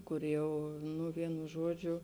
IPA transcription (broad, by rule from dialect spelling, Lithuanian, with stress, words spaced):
ˈkʊr ˈjɛʊ nʊ ˈʋʲiɛnʊ ˈʒuɔd͡ʒʲʊ